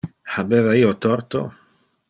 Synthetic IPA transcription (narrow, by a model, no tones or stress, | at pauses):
ħabɛðaiot̪ɔɾt̪o̰